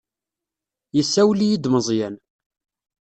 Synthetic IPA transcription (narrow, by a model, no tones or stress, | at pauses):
jəsːæwlijid̪məzˤjæn